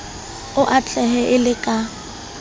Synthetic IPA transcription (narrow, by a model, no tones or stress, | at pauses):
ʊʔat͡ɬʰɛɦɛʔɪlɪkʼa